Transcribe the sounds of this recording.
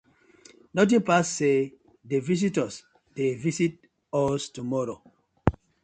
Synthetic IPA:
nɔt̬ĩnpasːe | devis̬itɔs | d̥evisit̚ | ɔstumɔɾo

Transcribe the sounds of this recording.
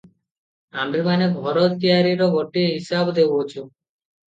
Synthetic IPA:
amɾimaneɡʱɔɾɔt̪t̪iaɾiɾɔɡʱoʈiɦisabd̪ebot͡ʃʰu

